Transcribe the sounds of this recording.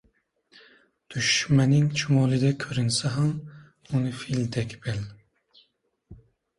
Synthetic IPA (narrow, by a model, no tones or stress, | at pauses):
d̪̥yʃmɛnɪŋt͡ʃʰumɔlˠɨd̪ɛkʲʰøɾynsɛɦɛm | unɨfild̪ɛkʲb̥ɛl